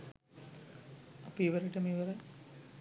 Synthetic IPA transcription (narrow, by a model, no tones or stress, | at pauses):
ɐpːiʋɐɾɐʈːɐmiʋɐɾɐ